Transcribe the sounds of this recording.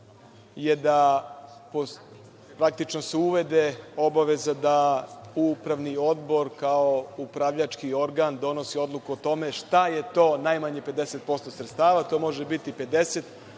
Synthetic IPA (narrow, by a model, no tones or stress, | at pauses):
jed̪a | po | pɾak̚t̪it͡ʃno̞seuʋe̞d̪eo̞baʋe̞zad̪aupɾaʋnio̞d̪bo̞ɾkaoupɾaʋʎat͡ʃkio̞ɾɡand̪o̞no̞sio̞d̪lˠukuot̪o̞me̞ʃt̪aje̞t̪o̞ːnajmaɲepe̞d̪ese̞t̪̚po̞st̪osɾet̪st̪aːʋat̪o̞ːmo̞ʒebit̪ipe̞d̪e̞set̪